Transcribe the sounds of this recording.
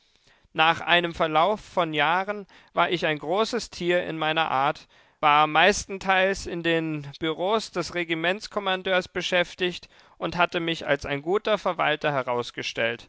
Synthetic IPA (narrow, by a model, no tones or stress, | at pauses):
naːχʔa̰ɪnəmfɛɐlaʊfːɔnjaːʁən | vaːɐɪçaɪnɡʁoːsəstʰiːɐɪ̰nmaɪnɐʔa̰ːɐt | vaːɐmaɪstn̩tʰaɪlsɪndeːnb̥yʁoːsd̥ɛsʁeɡimɛnt͡skʰɔmandøːɐsb̥əʃɛftɪçt | ʔʊnthatəmɪça̰lsa̰ɪnɡuːtɐfɛɐva̰ltɐɦɛʁaʊsɡ̥əʃtɛlt